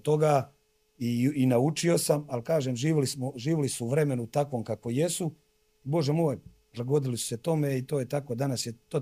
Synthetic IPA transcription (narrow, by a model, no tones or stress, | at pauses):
t̪o̞ɡaː | iːnaut͡ʃio̞samalkaːʒeːmʒiːʋlismoʒiːʋilisuuʋɾe̞me̞nut̪akʋo̞ːmkako̞jesu | ibo̞ʒemoːj | laɡo̞d̪ilisu̥se̞t̪o̞meit̪o̞ːjet̪ako̞d̪anasjet̪oː